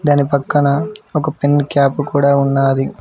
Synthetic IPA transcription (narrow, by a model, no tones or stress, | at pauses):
d̪ɐnipɐkːɐɳɐɔkɐpinkjaːpːukuːɽaːunːaːd̪i